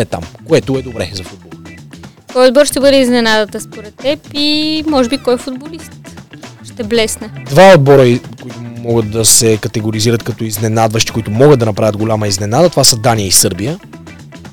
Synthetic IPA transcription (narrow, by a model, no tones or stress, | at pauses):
ɛt̪a̰mkoɛt̪ʊɛd̪obɾɛzɐfud̪̚bolˠ | kɔjod̪̚bɔɾʃt̪ɛbɤd̪ɛiznɛnad̪ət̪ɐspoɾɛt̪ːɛpimɔʒɛbikɔjfʊd̪bolist̪ʃt̪ɛblɛsnɛd̪vaod̪̚bɔɾəikoit̪ʊmɔɡət̪̚d̪ɐsɛkɐt̪ɛɡoɾiziɾət̪kɐt̪ɔiznɛnad̪vəʃt̪i̥kʊit̪ʊmɔɡəd̪̚ɐnɐpɾavʲətd̪ɡolʲamɐiznɛnad̪ət̪ovasəd̪aniəisɤɾbijə